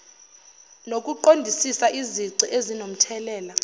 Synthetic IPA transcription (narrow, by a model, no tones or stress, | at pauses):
nok̬ʼuǃondʱisisaʔiziǀiʔezinom̩tʰɛlɛːla